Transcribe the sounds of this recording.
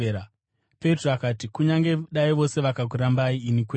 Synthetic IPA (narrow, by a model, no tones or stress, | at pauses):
ɾa | peitroakaːtikuɲaŋɡe̞ɗaiʋo̞se̞ʋakak̬uɾambaiːnikwe